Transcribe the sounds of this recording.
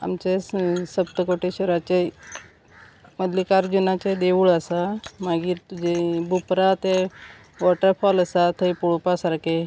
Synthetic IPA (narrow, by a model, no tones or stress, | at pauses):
a̰mt͡ɕesəbt̪əkoʈeɕəɾat͡ɕe | məd̪likaɾd͡ʑunat͡ɕed̪eʋuɭəsamaɡiːɾt̪ud͡ʑebupɾat̪e | ʋɔʈəɾpʰɔləsat̪ʰəipuɭupasaɾke